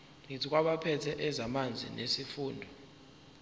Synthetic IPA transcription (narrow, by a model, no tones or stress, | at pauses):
ŋitʰik̬ʼwaɓapʰɛtʰɛʔɛzamand͡zʱḭnesifuːndʱɔ